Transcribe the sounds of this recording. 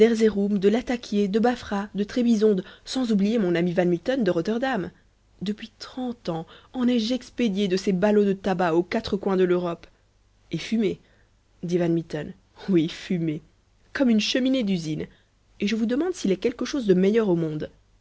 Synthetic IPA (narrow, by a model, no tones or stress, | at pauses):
d̪ɛʁzeʁumd̪əlat̪akʲjed̪əbafχad̪ət̪χebizɔ̃d̪sɑ̃zublijemɔ̃namivanmit̪ɔnd̪əʁot̪ɛʁd̪am | d̪əpɥit̪χɑ̃t̪ɑ̃ɑ̃nɛʒɛksped̪jed̪əsebalod̪ət̪abaokat̪χəkwɛ̃d̪əløʁɔp | efyme | d̪ivanmit̪ɔn | wifyme | kɔmynʃəmined̪yzin | eʒəvud̪əmɑ̃d̪silɛkʲɛlkəʃozd̪əmejœʁomɔ̃d̪